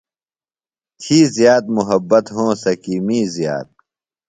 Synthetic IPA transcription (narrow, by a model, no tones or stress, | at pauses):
t̪ʰiːzjaːt̪̚muɦɐbːɐt̪ɦõːsɐkiːmiːzja̰ːt̪̚